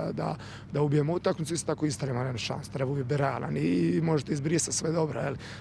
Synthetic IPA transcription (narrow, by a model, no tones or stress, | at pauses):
d̪a̰ | d̪aubije̞mout̪akmit̪uist̪ot̪akoist̪aɾemanenuʃa̰nsut̪ɾebaubijebɛɾaːla̰nimo̞ʒet̪eizbɾist̪at̪sʋed̪o̞bɾojeli